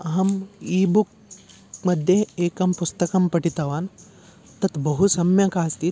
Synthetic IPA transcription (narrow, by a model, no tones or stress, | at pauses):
ɐɦɐmiːbuk̚ | mɐd̪ʱjeeːkɐmpust̪ɐkɐmpɐʈit̪ɐʋaːn | t̪ɐt̪bɐɦusɐmjɐkaːst̪i